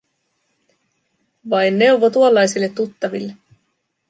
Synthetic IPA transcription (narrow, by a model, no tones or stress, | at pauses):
ʋɑjnːe̞wʋo̞t̪uolːɑjsilːet̪ːut̪ːɑʋilːe